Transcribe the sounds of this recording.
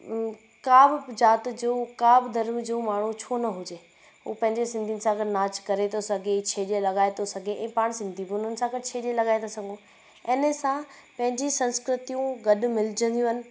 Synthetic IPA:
kaːbd͡ʑaːt̪d͡ʑoːkaːbd̪ʱɐɾmd͡ʑoːmaːɳ̤ut͡ɕʰoːnɐɦʊd͡ʑeː | ɦuːpɐ̃ɦɪ̃ɲd͡ʑesɪ̃nd̪ʱijnɪsãɡɐɖnaːt͡ɕkɐɾet̪ʰosɐɡʱet͡ɕʰeːɗelɐɠaːet̪ʰosɐɡʱeʔɛ̃ːpaːɽ̃sɪ̃nd̪ʱibʊnənɪ̆sãɡɐʈt͡ɕʰeːɗelɐɠaːet̪ʰosɐɡʱõ | ɛːnəsãpɐ̃ɦɪ̃ɲd͡ʑisɐ̃nskɾɪt̪ijũɡɐɗʊ̆mɪlɪd͡ʑə̃nd̪ijũɦɐnɪ̆

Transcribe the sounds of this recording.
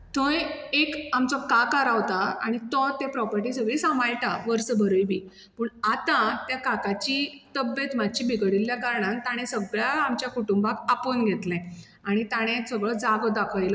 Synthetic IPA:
t̪ʰojekamt͡sɔkakaɾaʋt̪aa̰ɽ̃it̪ɔt̪epɾɔpəɾʈisəɡɭisamajʈaʋəɾsəbʱəɾəjbʱiː | pəːɳat̪ãt̪jakakat͡ɕit̪əbjet̪madt͡ɕibʱiɡəɽilːjakaɾɳãnt̪aɽ̃esəɡɭjaamt͡ɕjakuʈumbakapuːnɡʱet̪lɛ̃ | aɽ̃it̪aɽ̃esəɡɭəd͡zaɡd̪akʰəjlə

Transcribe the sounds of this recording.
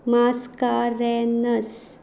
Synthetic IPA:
maːskaːɾɛnɐs

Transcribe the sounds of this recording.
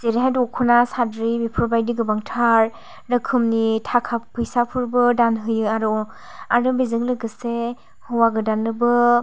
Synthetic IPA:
zeɾiɦajdɔkʰɯnasadɾibipʰɯɾbajdiɡɯbaŋtʰaɾ | ɾɯkʰɯmnitʰakʰapʰɯjsapʰɯɾbɯdanɦɯjɯaɾɔ | aɾdɯbizɯŋlɯɡɯse | hɯwaɡɯdanːɯbɯ

